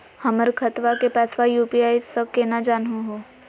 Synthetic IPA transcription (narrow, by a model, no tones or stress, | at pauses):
həməɾkʰət̪ʋakepɛːsʋajuːpiaːjsəkenad͡ʒaːnɦõɦoː